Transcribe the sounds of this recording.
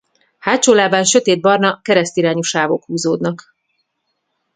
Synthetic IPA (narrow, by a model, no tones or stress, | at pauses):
haːt͡ʃoːlaːbaːnʃø̞t̪eːd̪̚bɒrnɒkɛɾɛst̪iɾaːɲoʃaːɡo̞khuːzoːd̪nɒk